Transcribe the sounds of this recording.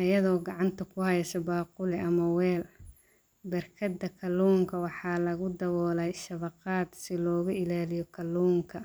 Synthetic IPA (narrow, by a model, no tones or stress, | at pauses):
ɐjɐðɔːɡɑʕɑnt̪ʰɐkʰʊhɐjɐsɐbaːqʊlɛʔɐmɐwɛːl | bɐrkʰɐd̪ɐkʰɐluːŋkʰɐwɑħɑːlɐɣʊd̪ɐwɔːlɛjʃɐβɐqɑːd̪sɪlɔːɣʊɪlaːlɪjɔkʰɐlːuːŋkʰɐ